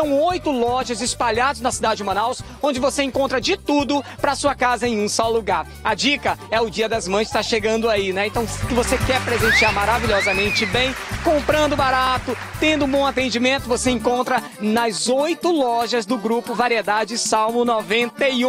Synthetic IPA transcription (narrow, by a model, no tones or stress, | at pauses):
sɐ̃w̃ojt̪ʊlɔʒɐzɪspaʎad̪ʊznɐsid̪ad͡ʒɪmɐ̃naws | õd͡ʒɪvoseẽkõnt̪ɾɐd͡ʒɪt̪ud̪ʊpɾɐsuɐkazɐẽj̃ũsɔwluɡaɾ | ɐd͡ʒikɐɛʊd͡ʒiɐd̪ɐzmɐ̃st̪aʃeɡɐ̃nd̪ʊainɛẽnt̪ɐ̃w̃skɪvosekɛɾpɾezẽsiaɾmaɾaviʎɔzɐmẽnt͡ʃɪbẽj̃kõmpɾɐ̃nd̪ʊbaɾat̪ʊ | t̪ẽnd̪ʊũbõw̃at̪ẽnd͡ʒimẽnt̪ʊvoseẽŋkõnt̪ɾɐ | nɐzojt̪ʊlɔʒɐzd̪ʊɡɾupʊvaɾied̪ad͡ʒɪsawmʊnɔvẽnt̪ejũ